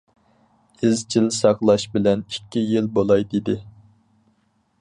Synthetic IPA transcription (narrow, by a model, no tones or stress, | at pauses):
ɪzt͡ʃʰilsɑχlˠɑʃbɪlɛnikʲʰːijilbolˠɑjd̪id̪ɪ